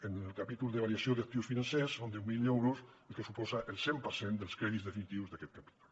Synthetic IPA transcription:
enelˠkapit̪ulˠd̪eβaɾiasjoðak̚t̪iwsfinansɛsːond̪ɛwmilɛwɾuselˠkesupɔzaʔelˠsempəɾsend̪əlˠskɾɛðizðefinit̪iwzðakɛt̪̚kapi̥t̪u̥l

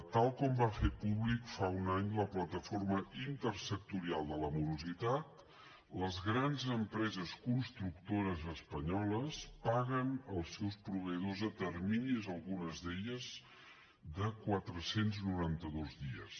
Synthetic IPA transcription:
t̪alˠkɔmbafepuβlikfaunaɲləplət̪əforməint̪ərsək̚t̪uɾialˠd̪ələmuɾuzit̪at̪̚ | ləzɣɾanzəmpɾɛzəskunst̪ɾukt̪oɾəzəspəɲɔləspaɣənəlˠsɛwspɾuβəiðozət̪ərminizəlˠɣunəzðeʎəz | ðəkwat̪ɾəsenznuɾant̪əðozðiə̰s

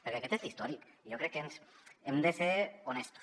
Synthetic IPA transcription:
peɾkeaket̪ezlist̪ɔɾikijokɾekːensemd̪eseɾonest̪u̥s

